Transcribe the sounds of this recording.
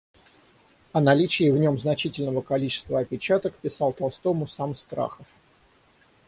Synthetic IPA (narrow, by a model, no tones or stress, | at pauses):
ɐnɐlʲit͡ɕɪːvnʲo̞mznɐt͡ɕitʲɪlʲnəvəkɐlʲit͡ɕɪ̥st̪vəɐpʲɪt͡ɕat̪əkpʲɪsɑlˠt̪ɐlˠst̪o̞mʊsamst̪ɾa̰xəf